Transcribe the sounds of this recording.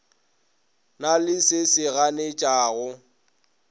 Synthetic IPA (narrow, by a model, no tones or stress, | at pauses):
nalɪsɪsɪɣanet͡ʃʼaːɣʊ